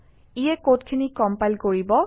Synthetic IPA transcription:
ijɛkotkʰinikɔmpajlkoɹibɔ

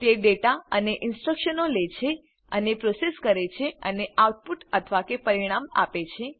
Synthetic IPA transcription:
t̪eɖeʈaəneʔɪnsʈɾəkʃənolet͡ʃʰe | ənepɾoseskəɾet͡ʃʰeəneauʈ̚puʈət̪ʰəʋakepəɾiɽ̃ama̰pet͡ʃʰe

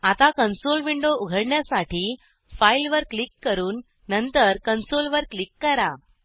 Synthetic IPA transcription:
at̪akənsolʋiɳɖouɡʱəɽɳjasaʈʰiː | failʋəɾklikːəɾuːnː | ənt̪əɾkənsolʋəɾklikːəɾa

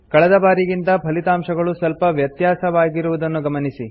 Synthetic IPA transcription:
kɐɭɛd̪ɐbaːɾiɡint̪ɐpʰɐlit̪aːmʂɐɡɐɭusɐlpɐʋjɐt̪jaːsɐʋaːɡiɾuʋud̪ɐnːuɡɐmɐnisi

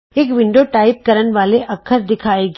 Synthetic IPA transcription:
eːkʋɪ̃ɳɖoʈaːɪp̚kɐɾənʋaːleʔɐkʰːəɾd̪ɪkʰaːeːɡ

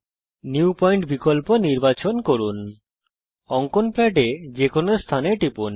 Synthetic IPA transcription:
njupɔjɳʈbikolponiɾbat͡ɕonkoɾun | ɔŋkonplɛʈed͡ʑekʰonoɾst̪ʰaneʈipun

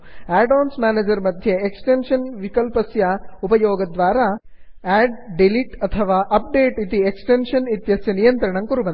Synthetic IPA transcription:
æːɖoːnsmaːneːd͡ʒɐɾmɐd̪ʱjeeksʈenʃɐnʋikɐlpɐsjɐupɐjoːɡɐd̪ʋaːɾɐ | æːɖɖeliʈɐt̪ʰɐʋaːʔɐp̚ɖeːʈit̪ieksʈenʂɐnit̪jɐsjɐnijɐnt̪ɾɐɳɐŋkuɾubɐn

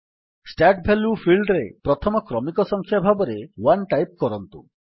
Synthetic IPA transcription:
sʈaʈ̚bʱelupʰilɖɾepɾɔt̪ʰɔmɔkɾɔmikɔsɔŋkʰjabʱabɔɾewanʈajp̚kɔɾɔnt̪ṵ

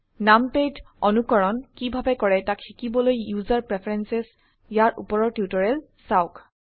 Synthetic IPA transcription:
namped | ɔnukɔɹɔnkibʱabɛkɔɹɛtakxikibɔlojjuzaɹpɹɛpʰaɹɛnsɛs | jaɹʔṵpɔɹɔɹtjutɔɹɛl | saʊk

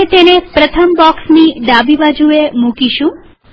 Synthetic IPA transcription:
t̪enepɾət̪ʰəmbɔksniɖ̪abibad͡ʒuemũkiʃũ

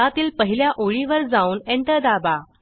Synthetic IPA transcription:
at̪iːlpəɦiljaʔoɭiʋəɾd͡zauːneɳʈ̪əd̪aba

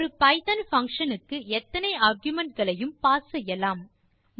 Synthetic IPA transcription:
ɾɯpɐɪt̪ɐnfɐŋkʂɐnɯkːɯɛt̪ːɐnɐɪaːɾɡjʊmɐɳʈ̚ɡɐɭɐjɯmpaːsɐjɐlaːm | m

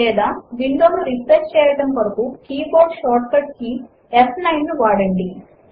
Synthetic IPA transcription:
ɛːd̪aːʋiɳɖoːnuɾisɐɾt͡ʃt͡ʃɛːjɐɽɐmʋɐɾɐkuːkiːboːɾɖʃaːɾʈkɐʈki | esnɐjnːuʋaːɽɐɳɖi

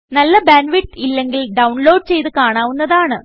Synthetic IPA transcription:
nɐlːɐbaːnʋiʈːilːe̞ŋɡilɖɐwɳloːɖɨt͡ɕe̞jt̪ɨkaːɳaːʋunːɐðaːɳɨ

